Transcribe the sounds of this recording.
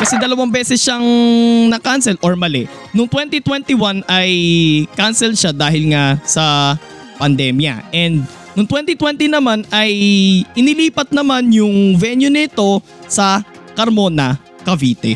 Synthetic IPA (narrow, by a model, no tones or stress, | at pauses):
kɐsɛd̪ɐlɐwɐmbɛːsɛsʃaŋnɐkansɛlʔoɹmɐlɛ | nʊŋt̪wɛnt̪it̪wɛnt̪iwanɐjkansɛlʃad̪aːhɪlŋasɐ | pɐnd̪ɛmjɐ̰ʔɛnd̪̚ | nʊŋt̪wɛnt̪it̪wɛnt̪inɐmanɐjʔɪnɪliːpɐt̪̚nɐmanjʊŋvɛnjʊnɐɪt̪o̞ | sɐ | kɐɾmo̞nɐ | kɐviːt̪ɛ̰